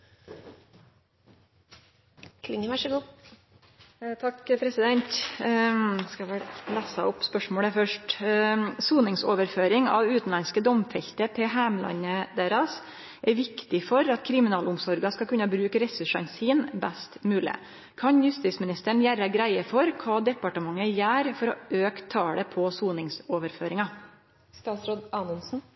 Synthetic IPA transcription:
kʰlɪŋəʋæʂəɡuː | t̪ʰɑkpʰɾɛsɪd̪ɛnt̪ | skɑʋɛlæːsɑʊpspœʂmoːɽəfœʂʈ | suːnɪŋsoːʋəɾføːɾɪŋɑ̰ʋʉːt̪n̩lɑnskəd̪ɔmfɛʎt̪ət̪ʰɪɦæːmlɑ̰ɲəd̪eːɾɑs | ʔɛʋɪkt̪ɪfɔɾɑt̪kʰɾɪmɪnɑːlʊmsɔɾɡɑskɑkʉnːɑbɾʉːkɾɛsʉʂɑnsiːnbæst̪mʉːlɪ̰ | kʰɑnjʉst̪iːt̪smɪnɪst̪əɳ̩jæɾɑɡɾæɪəfɔɾkʰɑːd̪ɛpɑʈəmɑŋːəjæːɾfɔɾɔøːkt̪ʰːɑːɽəpʰɔsuːnɪŋsoːʋəɾfø̰ːɾɪŋɑ | st̪ɑːsɾoːd̪ɑːnʊnsn̩

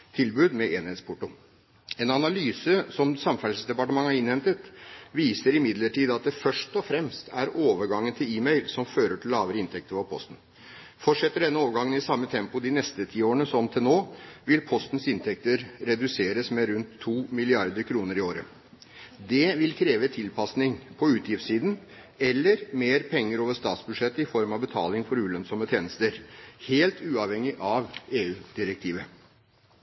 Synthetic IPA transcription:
t̪ʰɪlbʉːd̪mɛʔeːnheːt̪spʰʊʈʊ | ɛnɑnɑlyːsəsɔmsɑmfælsəsd̪ɛpɑʈəmɑŋːæɾɪnhɛmt̪ət̪ʋiːsəɾɪmɪd̪ləʈiːd̪ɑt̪̚d̪ɛfœʂʈɔfɾɛmst̪ʰæɾoːʋəɾɡɑŋːənt̪ʰɪliːmɛɪlsɔmføːɾəʈʰɪllːɑːʋəɾəɪnt̪ʰɛk̚t̪əɾfɔpʰɔ̰st̪n̩ | fɔʈʂɛt̪ːəɖɛnːəoːʋəɾɡɑŋːənɪsɑmːət̪ʰɛmpʊd̪ɪnɛst̪ət̪ʰiːoːɾəɳəsɔmt̪ʰɪlnoːʋɪlpʰɔst̪n̩sɪnt̪ʰɛk̚t̪əɾɾɛd̪ʉseːɾəsmɛɾʉnt̪ʰːuːmɪlɪɑɾd̪əɾkʰɾuːnəɾɪoːɾə | d̪ɛʋɪlkʰɾeːʋət̪ʰɪlpɑsnɪŋpʰɔʉːt̪ʰjɪft̪siːd̪n̩ | ɛlːəɾmeːɾpʰɛŋːəɾoːʋəʂt̪ɑːt̪sbʉd̪ʂɛt̪ːəɪfɔɾmɑʋbət̪ʰɑ̰ːlɪŋfɔɾʉːlœnsɔmət̪ʰjeːnəst̪əɾheːlt̪ʰʉːɑʋhɛŋːɪʔɑʋeːʉːd̪̥ɪɾɛk̚t̪ʰiːʋə

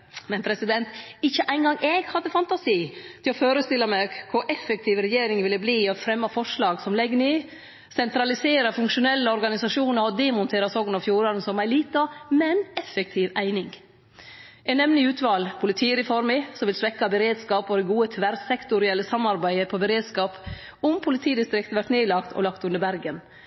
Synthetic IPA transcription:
mɛnpʰɾɛsɪd̪ɛnt̪ɪçːəʔæɪnɡɑŋʔɛɡhɑd̪ːəfɑnt̪ɑsiːt̪ʰɪlɔføːɾəst̪ɪlːɑmɛkʰʊɾʔɛfɛk̚t̪ʰiːʋɾɛjeːɾɪŋʋɪlːəbliːɔfɾɛmːɑfɔʂlɑːɡsɔmlɛɡːəniː | sɛnt̪ɾɑlɪseːɾəfʉŋkʂʊnɛlːəɔɾɡɑnɪsɑʂuːnəɾɔd̪ɛmʊnt̪ʰeːɾɑsɔɡnɑfjuːɾɑnn̩sɔmæɪliːt̪ɑmɛnɛfɛk̚t̪ʰiːʋæɪnɪŋ | ʔɛɪnɛmnəʉːt̪ʰʋɑːlpʰʊlɪt̪ʰiːɾɪfɔɾmɪsɔmʋɪlsʋɛkːɑbəɾeːd̪skɑːpɔd̪ɛɡuːət̪ʰʋæɾsɛkt̪ʊɾɪɛlːəsɑmːɑɾbæɪəpʰɔbəɾeːd̪skɑːp | ʊmpʰʊlɪt̪ʰiːd̪ɪst̪ɾɪkt̪ʋæʈneːlɑkt̪ʰɔ̰lɑkt̪ʉnd̪əɾbæɾɡən

